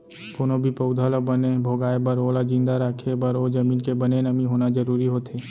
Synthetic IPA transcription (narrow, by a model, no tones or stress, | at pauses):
pʊnobʱipəʊd̪ʱalobənebʱoːɡaːebəɾoːlad͡ʒĩnd̪aɾaːkʰebəɾoːd͡ʒɐmiːnkebənenəmiɦoːnad͡ʒəɾuːɾiɦoːt̪eː